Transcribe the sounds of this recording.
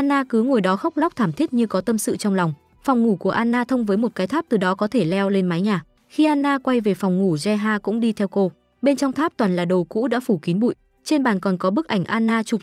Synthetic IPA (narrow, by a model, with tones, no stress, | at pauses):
ʔaː˧nːaː˧kɨ˨˦ŋo˨˩jɗɔ˨˦xa˦˥k͡p̚la˦˥k͡p̚t̪ʰaː˧˩mt̪ʰi˦˥ət̚ɲɨ˧kɔ˨˦t̪ə˧msɨ̰˧˨t͡ɕɔ˧wŋ͡mla˨˩wŋ͡m | fa˨˩wŋ͡mŋu˧˩ku˧˩əʔaː˧nːaː˧t̪ʰə˧wŋ͡mvəː˨˦jmo˨˩t̚kaː˨˦jt̪ʰaː˦˥p̚t̪ɨ˨˩ɗɔ˨˦kɔ˨˦t̪ʰe˧˩lɛ˧wle˧nma˨˦jɲaː˨˩ | xi˧ʔaː˧nːaː˧kwa˧jve˨˩fɔ˨˩wŋ͡mŋu˧˩zɛ˧ɦaː˧kʊ̰˧˥ŋ͡mɗi˧t̪ʰɛ˧wko˧ | ɓe˧nt͡ɕɔ˧wŋ͡mt̪ʰaː˦˥p̚t̪wa˨˩nlaː˨˩ɗə˨˩wkṵ˧˥ɗa̰ː˧˥fu˧˩ki˨˦nɓṵ˧˨j | t͡ɕe˧nɓa̰ː˧˩nkɔ˨˩nkɔ˨˦ɓɨ˦˥k̚ʔa˧˩jŋ̟ʔaː˧nːaː˧t͡ɕʊ˨˩k͡p̚